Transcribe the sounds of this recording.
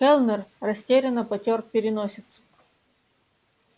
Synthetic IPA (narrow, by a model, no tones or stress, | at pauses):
xɛlʲˠnərːɐsʲtʲeɾʲɪnəpɐtʲor̚pʲɪɾʲɪnosʲɪt̪sə̥